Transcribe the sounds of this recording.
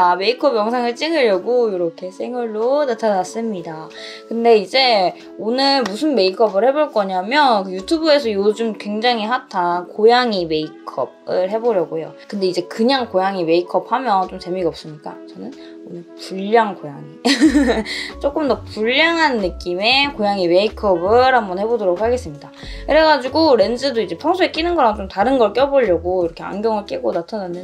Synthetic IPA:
tame̞ikʰʌbjʌŋsʰaŋɯɭt͡ɕ͈iŋɯʎjʌɡojoɾʌkʰe̞sʰe̞ŋwaɭːonatʰanas͈ɯmɲida | kɯnde̞id͡ʑe̞ | onɯɭmusʰɯnme̞ikʰʌbɯɭhe̞boɭk͈ʌɲamjʌnkɯjutʰubue̞sʰʌjod͡ʑumkwe̞ŋd͡ʑaŋɦihatʰakojaŋime̞ikʰʌ̰b̚ɯɭɦe̞boɾjʌɡojo̰kɯnde̞id͡ʑe̞kɯɲaŋkojaŋime̞ikʰʌp̚hamjʌnt͡ɕomt͡ɕemiɡʌp̚s͈ɯmɲik͈a̰t͡ɕʌnɯn | opuʎːaŋkojaŋi | t͡ɕ͈ok͈ɯmdʌpuʎːaŋɦanːɯk͈ime̞kojaŋime̞ikʰʌbɯɾhambʌnhe̞bodoɾok̚haɡe̞s͈ɯmɲida | kɯɾe̞ɡad͡ʑiɡoɾe̞nd͡ʑɯdoid͡ʑe̞pʰjʌŋsʰuek͈inɯnɡʌɾaŋt͡ɕomtaɾɯnɡʌɭk͈jʌboʎːʌɡoiɾʌkʰe̞a̰nɡjʌŋɯɭk͈iɡonatʰʌnɯnde

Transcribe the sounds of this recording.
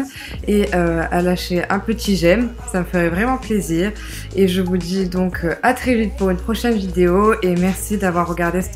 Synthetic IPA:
eʔøalaʃeʔɛ̃pət̪ʰiʒɛm | saməfəʁɛvʁɛmɑ̃pleziːʁ | eʒəvud̪id̪ɔ̃kʰat̪χɛvit̪̚puʁynpχɔʃɛnvid̪eoemɛʁsid̪avwaʁːəɡaʁd̪es

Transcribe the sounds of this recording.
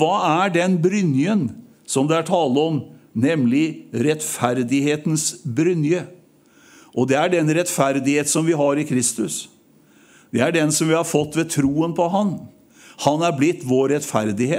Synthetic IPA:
ʋɑːæɖɛnbɾʏnjən | sɔmd̪ɛæʈʰɑːləɔmnɛmlɪɾɛt̪fæɾd̪ɪheːt̪n̩sbɾʏnjə | ʔɔd̪ɛæɖɛnɾɛt̪fæɾd̪ɪheːt̪sɔmʋɪɦɑɾɪkʰɾɪst̪ʉs | d̪ɛæɖɛnsɔmʋɪhɑɾfɔt̪ːʋɛt̪ʰɾuːənpʰɔɦɑn | hɑnæɾblɪt̪ːʋoːɾɛt̪fæɾd̪ɪheː

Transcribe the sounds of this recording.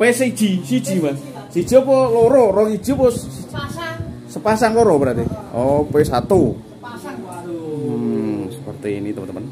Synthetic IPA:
pesid̥ʒ̥isi̥ʒ̥imas | si̥d͡ʒ̥iɔpɔloɾɔɾɔki̥ʒ̥ipɔsi | səpasaŋloɾɔbəɾat̪iɔpesat̪u | msəpərt̪iːnit̪əpənəmpən

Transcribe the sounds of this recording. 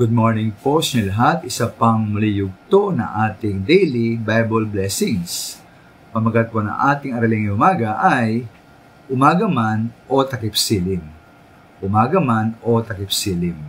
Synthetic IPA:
ɡ̥ud̪̚moɹnɪŋposɲɐlɐɦat̪̚ɪsapɐŋmɐlɪjʊɡ̚t̪onɐ̰ŋʔaːt̪ɪŋd̪ɛjlibajbolblɛsɪŋs | pɐmɐɡad̪̚ponɐ̰ŋʔaːt̪ɪŋɐɾɐlɪŋɪʊmaːɡɐʔaj | ʔʊmaːɡɐmanʔot̪ɐkɪpsiːlɪm | ʔʊmaːɡɐmano̞t̪ɐkɪpsiːlɪm

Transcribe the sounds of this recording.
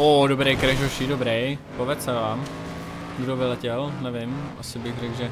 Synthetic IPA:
ʔodobɾejkɾɛʃoʃidobɾɛjpovɛt͡sɛvaːm | ɡdovɪlɛcɛlnɛvɪmʔa̰sɪbɪxrɛɡʒɛ

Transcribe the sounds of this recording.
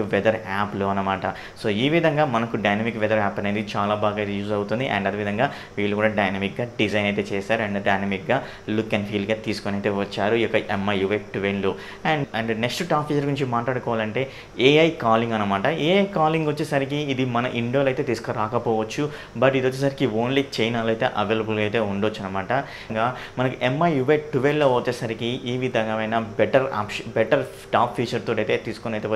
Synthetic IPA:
ʋɛd̪ɐɾaːploːɐnːɐmaːʈɐ | so̞ːiːʋid̪ʱɐŋɡaːmɐnɐkuɖɐjnɐmikʋɛd̪ɐɾaːpːɐne̞ːd̪it͡ʃaːlaːbaːɡajt̪juːzɐwut̪und̪iʔɐ̰ɳɖɐd̪eːʋid̪ʱɐŋɡaː | ʋiːɭːukuːɽaːɖɐjnɐmik̚ɡaːɖid͡ʒɐjnɐjt̪e̞ːt͡ʃɛːsaːɾuɐɳɖɖɐjnɐmik̚ɡaː | lukːɐːnpʰiːlɖɡaːt̪iːsu̥konɐjt̪eːʋɐt͡ʃːaːɾujɔkːɐʔemːɐjuʋekʈuʋeɳlu | ɐɳɖɐɳɖneksʈuʈaːpʰiːt͡ʃɐɾɡuɾuɲt͡ʃimaːʈlaːɽukɔːʋaːlɐɳʈe̞ː | eːɐjkaːliŋɡɐnːɐmaːʈɐeːɐjkaːliŋɡʋɐt͡ʃːeːsɐɾik̬iːd̪imɐnɐʔiɳɖoːlɐjt̪et̪iːsu̥kɐɾaːkɐpɔːʋɐt͡ʃːu | bɐʈid̪ot͡ʃːeːsɐɾikioːnlit͡ʃejnaːluɐjt̪e̞̰ːʔɐʋeːlɐbulɐjt̪e̞ːuɳɖot͡ʃːɐnːɐmaːʈɐ | ŋɡaː | mɐnɐkuʔemːɐjuʋeʈuʋelloːʋɐt͡ʃːeːsɐɾikiʔiːʋid̪ʱɐŋɡɐʋɐjnabeʈɐɾa̰ːpʂɐbɛʈɐɾ | ʈaːpʰːiːt͡ʃɐɾt̪oːʈiɐjt̪eːt̪iːsu̥koneɐjt̪eː

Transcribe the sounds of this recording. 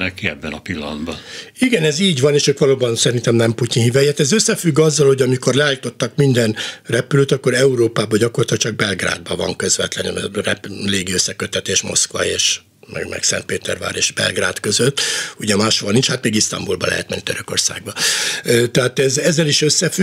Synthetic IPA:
nɛkiɛbːɛnɒpilːɒ̰nd̪bɒiɡɛnɛziːɟʋɒneːʃøːkʋɒloːbɒnsɛɾint̪ɛmnɛmpucinhivɛjɛt̪ɛzøsːɛfyɡːɒzːɒlho̞ɟɒmiko̞rlɛaːlit̪o̞t̪ːɒkmind̪ɛnrɛpyløːt̪ɒkːo̞ɾɛuɾoːpaːbɒɟɒkorlɑt̪ɒk̚t͡ʃɒɡ̚bɛlɡra̰ːd̪̚bɒvɒ̰ŋkø̞zvɛ̰t̪lɛnrɛ̰pleːɡiøsːɛkøt̪ːɛt̪eːʃmo̞̰skʋɒ̰eːʃ | mɛ̰ɡmɛ̰ksɛ̰nt̪̚peːt̪ɛ̰rva̰ːɾḛːʃʒbɛ̰lɡra̰ːt̪kø̞zøt̪ːuɟɛmaːʃoɒnint͡ʃhat̪meːɡist̪ɒ̰mbulbɒ̰lɛ̰ɦɛ̰t̪mɛnːid̪øɾøko̞̰rsa̰ːɡ̚bɒ | t̪ɛɦaːt̪ɛzɛzːɛliʃøsːɛfy

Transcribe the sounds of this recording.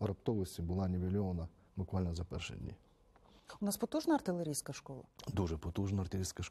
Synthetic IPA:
ɾɐpt̪ɔlˠɪsʲibʊlˠɑnʲɪʋʲɪlʲɔʋɐnɐ | bʊkʋalʲnɐzɐpɛ̰rʃɪ̰d̪ʲnʲḭ | ʊnaspɔt̪uʒnɐɐrt̪ɪlˠeɾʲijsʲkɐʃkɔlˠɐ̰d̪uʒɛpɔt̪uʒnɐɐrt̪ɪɾʲijsʲkɐʃ

